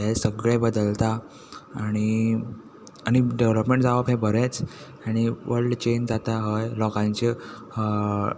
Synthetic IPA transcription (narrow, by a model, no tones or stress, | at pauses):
ɦesəɡɭɛ̃bəd̪əlt̪aː | ɽ̃i | aɽ̃iɖeʋləpmẽɳʈd͡zaʋəpɦẽbʱəɾet͡s | aɽ̃iʋəɾlɖt͡ɕeɲd͡zat̪aɦəjlɔkãɲt͡ɕe